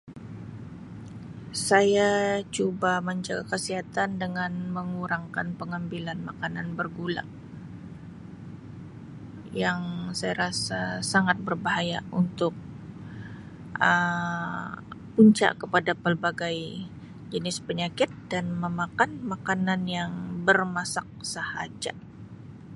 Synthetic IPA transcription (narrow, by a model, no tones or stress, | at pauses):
sajat͡ʃubaməɲd͡ʒaɡakəsiɦat̪andəŋanməŋuɾaŋkanpəŋambilanmakananbərɡula̰ŋ | jaŋsajaɾasasaŋat̪̚bərbaɦaja̰unt̪ʊk̚ | ʔə | puɲt͡ʃa̰ʔkəpadapəlbaɡaj | d͡ʒənɪspəɲakɪt̪̚danməmakanmakananjaŋbərmasak̚səha̰d͡ʒa̰